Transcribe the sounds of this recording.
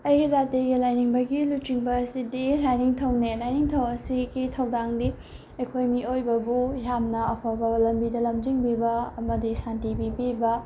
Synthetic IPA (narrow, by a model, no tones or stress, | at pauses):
ɐjɡizateɡilajniŋbɐɡilutːiŋbɐːsidilajniŋtʰɐwnelajniŋtʰɐwɐsiɡitʰɐwdaŋdi | ɐkʰojmiojbɐbujamnɐɐpʰawbɐlɐmbidɐlɐmd͡ʒiŋbibɐɐmɐdisantibibibɐ